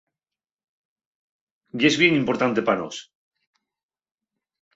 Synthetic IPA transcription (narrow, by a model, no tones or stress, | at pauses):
ɟ͡ʝezβje̞ŋimpo̞ɾt̪ant̪epano̰s